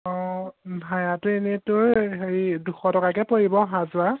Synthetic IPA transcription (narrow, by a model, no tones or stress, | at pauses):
ɔ̃bʱajatʊenɛtʊɹɦeɹiduxʰɔtɔkakɛpoɹibɔɦazʊa